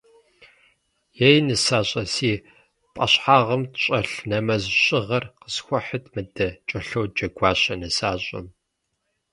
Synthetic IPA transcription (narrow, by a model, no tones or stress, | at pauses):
jejnɨsaːɕʼɐsiː | pʼɐ̰ɕħaːʁɐmtɕʼɐɬnɐmɐzɕʼɪʁɐrqəsxʷɔħətʰmɨdɐt͡ʃʼɐɬɐwd͡ʒɐɡʷaːɕɐnɨsaːɕʼɐ̰m